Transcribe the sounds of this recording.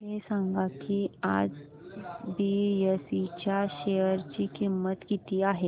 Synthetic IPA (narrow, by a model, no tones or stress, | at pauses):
ɦesãŋɡakʰiːa̰d͡z | bijesit͡ɕjaɕejəɾt͡ɕiːkimːət̪kit̪iːaɦe